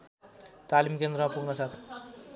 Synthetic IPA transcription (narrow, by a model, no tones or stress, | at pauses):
t̪alimkend̪ɾʌmapuɡnʌsat̪ʰ